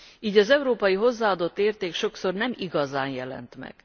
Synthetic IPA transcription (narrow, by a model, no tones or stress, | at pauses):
iːɟɒzɛuɾoːpɒjiɦo̞zːaːɒd̪o̞t̪ːeːrt̪eːkʃo̞kso̞rnɛmiɡɒzaːnjɛlɛ̰nt̪mɛ̰ɡ̥